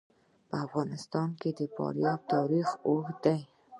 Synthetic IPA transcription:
pəafɣɑnɪst̪ɑnked̪əpɑ̰ɾjɑb̚t̪ʰɑɾixohd̪aj

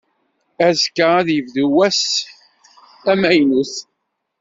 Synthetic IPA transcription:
æzkəæðjəvðuwæs | æmæjnəs

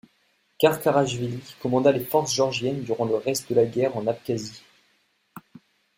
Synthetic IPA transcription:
kaʁkaʁaʒvilikɔmɑ̃d̪alefɔʁsʒɔʁʒjɛnd̪yʁɑ̃ləʁɛst̪̚d̪əlaɡʲɛʁɑ̃nap̚kʲazi

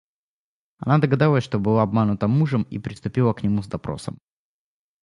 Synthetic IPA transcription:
ɐ̰nad̪əɡɐd̪alˠəsʲʂt̪obɨlˠaɐbmanʊt̪əmuʐəmḭpɾʲɪst̪ʊpʲilˠəknʲɪmuzd̪ɐpɾo̞̰sə̰m

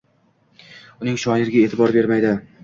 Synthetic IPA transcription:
ʊnɪŋʃɒjɪɾɡʲaet̪ʰɪbɒɾbe̞ɾmajd̪ɪ

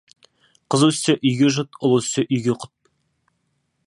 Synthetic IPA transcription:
qʰəzuwɪst̪eʔʏjɡʲeʒʊt̪ʊlˠust̪eʔʏjɡʲeqʰʊ̥t̪̚

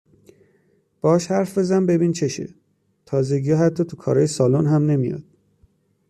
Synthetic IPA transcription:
b̥ɒɒːʃhæɾfbe̞zænbe̞bint͡ʃʰe̞ʃḛ | t̪ʰɒːzeɡijɒɦæt̪ʰːɒːt̪ʰukʰɒːɾɒːjesɒːlonɦæmne̞mijɒ̰d̪̥̚

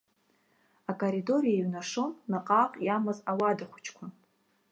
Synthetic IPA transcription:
akʼoɾido̞ɾijaiɥnaʂonːaqʼaqʼjamazawadaχʷʊ̥t͡ʃʰkʷʰa

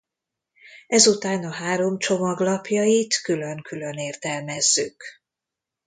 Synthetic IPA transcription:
ɛzut̪aːnɒɦaːɾo̞mt͡ʃo̞mɒɡlɒpjɒjit̪kyløŋkyløneːrt̪ɛlmɛzːyk

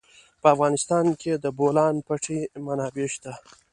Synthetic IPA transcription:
pəafɣɑnɪst̪ɑnkʰed̪əbolɑnpaʈʰemanɑbeʃt̪a

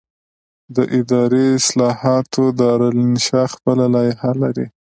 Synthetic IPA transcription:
d̪əʔɪd̪ɑɾeɪslɑhɑt̪ʰod̪əɾalnʃɑxpəlalɑjehalaɾi

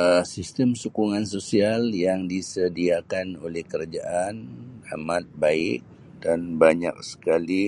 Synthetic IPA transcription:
əsist̪əmsukuŋansosialjaŋdisədiakanolɛhkəɾad͡ʒaʔana̰mat̪̚baɪk̚ | danbaɲa̰k̚sə̥kali

